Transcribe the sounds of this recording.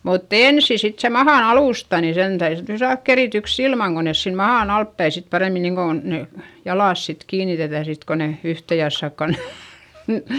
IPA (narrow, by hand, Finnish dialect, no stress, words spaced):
mutː eˑnsi sit se mɑhɑˑn ɑluˑstɑ ni sen tæyðy sit sɑːðk kerityks ilmɑŋ ko nes siːm mɑhɑˑn ɑltpæi sit pɑremːi niŋkon ne jɑlɑˑs sit kiːnitetæˑ sit ko ne yhte jɑsːɑkːɑ ne